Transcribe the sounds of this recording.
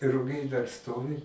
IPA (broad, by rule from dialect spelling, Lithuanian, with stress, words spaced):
rʊˈɡʲɛɪ dɐr ˈstoːʋʲɪ